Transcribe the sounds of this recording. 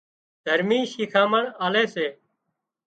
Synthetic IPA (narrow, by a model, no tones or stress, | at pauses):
d̪ʱəɾmiːʃiːkʰaːməɳaːleːseː